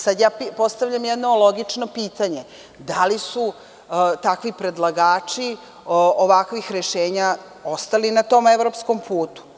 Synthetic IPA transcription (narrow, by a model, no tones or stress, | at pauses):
sad̪jaːpipo̞st̪aʋʎamjed̪no̞loɡit͡ʂno̞piːt̪aɲe | d̪alisu | t̪akʋipɾe̞d̪lˠaɡaːt͡ʃi | oʋakʋixɾeʃe̞ːɲa | o̞st̪alinat̪o̞ːmevɾo̞psko̞mpʰuːt̪u̥